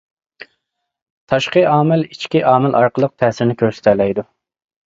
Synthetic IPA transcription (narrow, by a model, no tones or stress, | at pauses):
t̪ʰɑʃqəɑːmɪlit͡ʃkʲiʔɑːmɪlʔɑɾqəlˠəq̚t̪ʰɛːsɪɾnɪkʲʰøɾsɪ̥t̪ʰɛlɛjd̪u